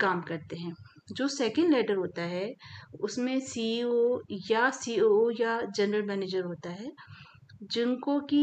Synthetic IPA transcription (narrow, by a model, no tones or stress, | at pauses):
kaːmkɐɾt̪eɦɛ̃ːd͡ʒoːsɛːkə̃ɳɖlɛːʈəɾɦoːt̪aɦɛʊsmẽsiojasiːoojad͡ʒɐnɾəlmɛːneːd͡ʒəɾɦoːt̪aɦɛː | d͡ʒɪnkoki